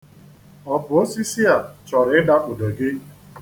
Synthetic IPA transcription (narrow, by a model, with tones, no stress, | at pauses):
ɔ˨bʊ˨o˦si˦si˦a˨t͡ʃɔ˨ɾɪ˨˦ɪ˦da˦ʔo˨do˨ɡɪ˦